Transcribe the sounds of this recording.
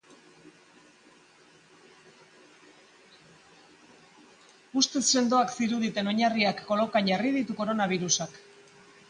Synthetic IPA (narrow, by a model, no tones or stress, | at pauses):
ust̪e̞sːe̞nd̪o̞aksiɾuðit̪e̞no̞ɲariakːo̞lo̞kaɲɟarið̞it̪uko̞ɾo̞naβ̞iɾusak